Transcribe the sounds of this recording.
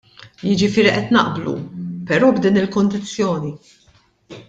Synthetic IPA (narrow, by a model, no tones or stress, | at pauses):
jɪd͡ʒɪfɪːɾiʔɛt̪nɐ̰ʔblṵpɛɾɔːbd̪iːnɪlkɔnd̪ɪt͡sːjɔːni